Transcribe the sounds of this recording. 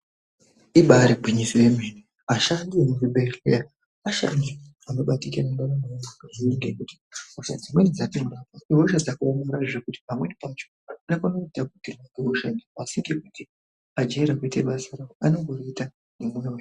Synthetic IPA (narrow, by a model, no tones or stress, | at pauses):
iɓaɾeɡʱwiɲisiwem̤eni | aʃandiemuruɓeɬḛa | aʃa̰ndi | ano̞ɓatikinaŋdaramanaaʐiniŋɡekuti̥usad͡zimwenid͡zatindapoiɦoʃad͡zakaːmoɾaʐekuti̥pamwe̞pat͡ʃonakunoitabʱuɡiriwakeɦoʃanaasiŋɡekutʰi | ad͡ʒaiɾakweteɓasaɾawoano̞ŋɡoroita | nemwewej